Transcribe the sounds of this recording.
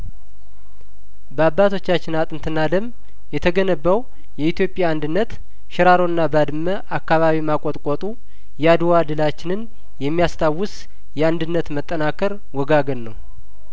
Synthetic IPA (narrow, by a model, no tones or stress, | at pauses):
bəabːat̪ʰo̞t͡ʃːat͡ʃːɪnat̪ʼɨnt̪ʰɨnːad̪əm | jɛt̪ʰəɡənəbːəw | jɛit̪jo̞pʼjaːnd̪ɨnːət̪ | ʃɪɾaɾo̞ɨnːabad̪ɨməʔakːaβaβimakʼot̪ʼkʼot̪ʼu | jɛad̪wad̪ɨlat͡ʃːɪnɨn | jɛmːijast̪ʰawːʊs | jɛand̪ɨnːət̪mət̪ʼːənakʰəɾ | wɔɡaɡənnəw